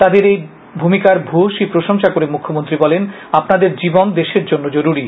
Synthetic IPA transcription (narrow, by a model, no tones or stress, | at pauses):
t̪ad̪eɾej | bʱumikaɾbʱoʃipɾoʃoŋʃakoɾemukʰːomont̪ɾibɔlen | apnad̪eɾd͡ʑibond̪eʃeɾd͡ʑonːod͡ʑoɾuɾi